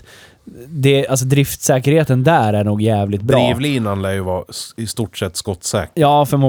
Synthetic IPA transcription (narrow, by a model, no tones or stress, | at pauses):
d̪ɛals̬ɔd̪ɾɪft̪sɛːkəɾheːt̪ənd̪æːɾæɳuːɡjæːvlɪt̪̚bɾɾiːvliːnanlæːjɵvɑːst̪uːʈsɛt̪ːskɔt̪ːsɛ̰ːjɑːfœɾmu